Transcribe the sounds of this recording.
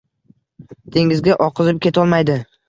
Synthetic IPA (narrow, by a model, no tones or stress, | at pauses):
d̪̥ʰe̞ŋɪzɡʲaʔɒqʰɨzɪp̚kʲe̞t̪ʰɒlˠmajd̪ɪ